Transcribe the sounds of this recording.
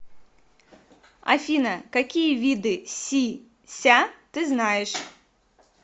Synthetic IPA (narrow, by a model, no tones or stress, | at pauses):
ɐ̰fʲinəkɐkʲijəvʲid̪ɨsʲi | sʲat̪ɨznajɪʂ